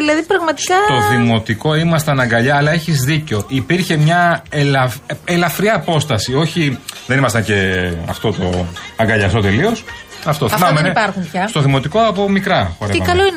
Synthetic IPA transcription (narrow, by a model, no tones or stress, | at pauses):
ðilɐðipɾɐɣmɐt̪i̥kɐt̪o̞ðimo̞t̪iko̞imɐst̪ɐnɐŋɡɐʎɐːlɐe̞çizðiceo̞ʔipiɾçe̞mɲɐelɐfelɐfɾiɐːpo̞st̪ɐsio̞çiðenimɐst̪ɐɲce̞ɐ̰ft̪o̞t̪o̞ɐŋɡɐʎɐsot̪e̞lio̞s | ɐft̪oθɐmɐmenepɐɾxumçɐst̪o̞ðimo̞t̪iko̞ɐpo̞mikɾɐxoɾeimɐkɐloin